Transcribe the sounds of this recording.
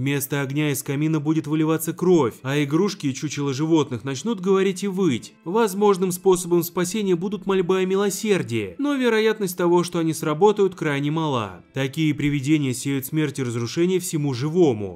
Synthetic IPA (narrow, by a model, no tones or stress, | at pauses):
mʲe̞st̪əɐɡnʲaɪskɐmʲinəbudʲɪt̪vɨlʲɪvat̪səkɾo̞fʲɐɪɡɾuʂkʲɪːt͡ɕut͡ɕɪlˠəʐɨvo̞t̪nɨxnɐt͡ɕnut̪̚ɡəvɐɾʲitʲɪvɨjtʲ | vɐzmo̞ʐnɨmspo̞səbəmspɐsʲenʲɪjəbud̪ʊt̪mɐlʲbajəmʲɪlˠɐsʲerdʲɪjə̰no̞vʲɪɾɐjat̪nəsʲt̚ʲt̪ɐvo̞ʂt̪o̞ɐnʲisrɐbo̞t̪əjʊt̪kɾajnʲɪmɐlˠa̰ | t̪ɐkʲijəpɾʲɪvʲɪdʲenʲɪjəsʲejʲʊt̪smʲertʲɪrəzɾʊʂɛnʲɪjəfsʲɪmuʐɨvo̞mʊ̰